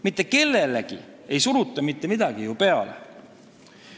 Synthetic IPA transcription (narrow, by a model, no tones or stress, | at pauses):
mit̪ˑːe̞ke̞lːe̞leɡ̥ḭ | e̞jsuɾut̪ˑːɑmit̪ːe̞mid̪̥ɑɡ̥ijupe̞ɑlḛ